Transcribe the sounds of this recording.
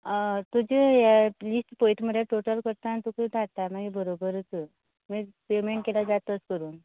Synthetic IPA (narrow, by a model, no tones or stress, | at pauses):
ət̪ud͡ʑejalisʈpojʈməd̪jaʈoʈəlkəɾt̪aːnt̪ukəd̪ʱat̪amaɡibəɾobəɾt͡sə | mipemeɳʈkelad͡zat̪əskəɾuːn